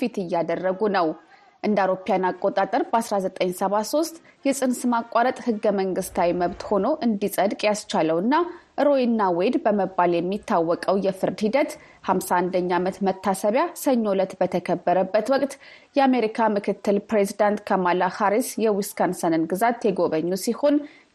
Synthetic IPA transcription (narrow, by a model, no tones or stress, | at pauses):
fit̪ɨjːad̪ərːəɡunəw | ʔɨnd̪awɾopjanakʼːo̞t̪ʼat̪ʼəɾbəasɾazət̪ʼəɲːsəβaso̞st̪ʼ | jɛsʼɨnsmakʼːaɾət̪ʼhɨɡːəməŋɡɨst̪ʰawiməβt̪ho̞no̞ʔɨnd̪isʼəd̪kʼjast͡ʃaləwɨnːaʔɨɾo̞jinːawed̪bəməbːaljɛmːit̪ʰːawːɔkʼəwjɛfɨɾd̪hid̪ət̪ | hamsand̪əɲːamət̪mət̪ʰːasəβjasəɲːo̞lət̪bət̪ʰəkʰəbːəɾəbːət̪wɔkʼt̪jɛame̞ɾikʰamɨkʰɨt̪ːɨlpɾezid̪ant̪kʰamalahaɾisjɛwiskʰansənɨnɡɨzat̪ːjɛɡo̞βəɲːusiho̞n